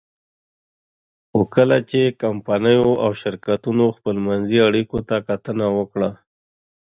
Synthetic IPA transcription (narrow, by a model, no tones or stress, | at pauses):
xokəlat͡ʃekampanəjoʔawʃɪɾkat̪unoxpəlmanziaɽikot̪akat̪ənawəkɽa